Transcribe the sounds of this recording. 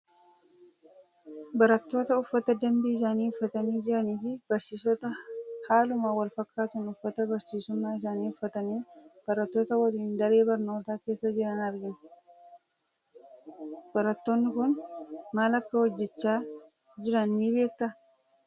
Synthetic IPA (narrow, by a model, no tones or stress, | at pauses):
bɐɾɐt̪ːo̞ːt̪ɐʊfːɐt̪ɐd̪ɐmbiːɪs̬aːniːʊfːɐt̪ɐniːd͡ʒɪɾɐniːfɪbɐɾsiːsɔt̪ɐhaːlʊmaːwɐlfɐkːaːt̪ʊnʊfːɐt̪ɐbɐɾsiːsʊmːaːɪs̬aːniːʊfːɐt̪ɐniːb̥ɐɾɐt̪ːo̞ːt̪ɐwɐliːnd̪ɐɾe̞ːbɐɾno̞ːt̪aːke̞ːsːɐd͡ʒɪɾɐnɐɾɡɪn | b̥ɐɾɐt̪ːoːnːɪkʊnmaːlɐkːɐwɔd͡ʒːɛt͡ʃːaː | d͡ʒɪɾɐnːiːbeːk̚t̪ɐ